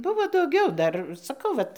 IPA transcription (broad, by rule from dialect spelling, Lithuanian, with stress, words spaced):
ˈbʊʋoː dɐʊˈɡʲɛʊ ˈdɐr sɐˈkɐʊ ˈʋɐt